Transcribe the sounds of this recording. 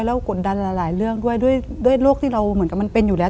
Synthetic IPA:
jlə˧˦wku˨˩n̚ɗa˨˧˩nlaː˨˩laː˨˩jlɨ˧əŋɗu˧əjɗu˧˥əjɗu˧˥əjlu˦˥k̪̚ʰi˧˦lə˨˧wməː˨˩˦nkaː˨˦ma˧˦npe˧nɲu˨˩lɛː˨˦

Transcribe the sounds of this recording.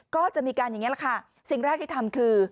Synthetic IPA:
kɔː˥˩t͡ɕa˨˩ʔmiː˧kaː˧nja˨˩ŋi˦˥la˨˩kʰa˥˩ | si˨˩ŋɾɛː˥˩k̚t̪ʰiː˥˩a˧mkʰɯː˧

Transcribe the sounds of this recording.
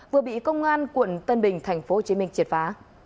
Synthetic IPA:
vɨ˨˩əɓḭ˧˨kə˧wŋ͡mʔaː˧nkwə̰˧˩nt̪ə˧nɓï˨˩ŋ̟t̪ʰa˨˩jŋ̟fo˨˧˦ho˨˩t͡ɕi˨˦mï˧ŋ̟t͡ɕi˨˩t̚faː˨˦

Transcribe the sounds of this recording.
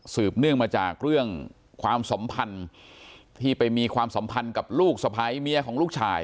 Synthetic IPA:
sɯː˨˩p̚nɯ˥˩əŋmaː˧t͡ɕaː˨˩k̚ɾɯ˥˩əŋ | kʰwaː˧msa˩˦mpʰa˧n | t̪ʰiː˥˩pa˧jmiː˧kʰwaː˧msa˩˦mpʰa˧nka˨˩p̚luː˥˩k̚sa˧pʰaː˧˦mi˦˥ɐkʰɔː˩˦ŋluː˥˩k̚t͡ɕʰaː˧j

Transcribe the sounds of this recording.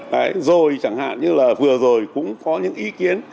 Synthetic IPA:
kaː˨˦jzo˨˩jt͡ɕa˧˩ŋha̰ː˧˨nɲɨ˧laː˨˩vɨ˨˩əzo˨˩jkʊ̰˧˥ŋ͡mkɔ˨˦ɲɨ̰˧˥ŋʔi˨˦ki˨˦ən

